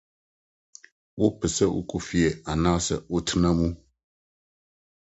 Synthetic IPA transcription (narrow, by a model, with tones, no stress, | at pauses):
wo˦pɨ˨sə˦ʔṵ˦ku˨fi˨˦ɛ˨a˨na˦ʔsə̰˦o˦tʰɨ˦nə˦mu˦